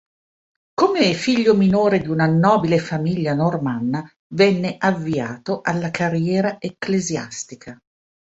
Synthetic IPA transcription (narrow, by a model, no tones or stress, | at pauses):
komefiʎːominoːɾed̪iunanɔːbilefamiʎːanormanːa | vɛnːeʔavːiaːt̪oʔalːakarjɛːɾaʔekːlezja̰st̪ikʰa